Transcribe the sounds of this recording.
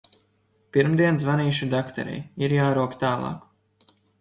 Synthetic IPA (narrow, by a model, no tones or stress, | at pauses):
piɾmd̪iɛns̬vaniːʃud̪akt̪a̰ɾɛ̰jiɾjaːɾuɔkt̪aːlˠɑ̰ːk